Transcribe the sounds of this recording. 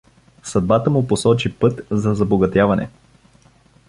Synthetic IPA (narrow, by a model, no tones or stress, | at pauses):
sɐd̪̚bat̪əmʊposɔt͡ʃipɤt̪zɐzɐboɡɐt̪javɐnɛ̰